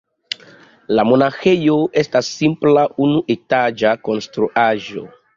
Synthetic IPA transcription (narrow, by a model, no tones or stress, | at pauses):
lamo̞naxe̞jo̞e̞stasːimplaunuʔetad͡ʒako̞nstɾuʔaʒo̞̰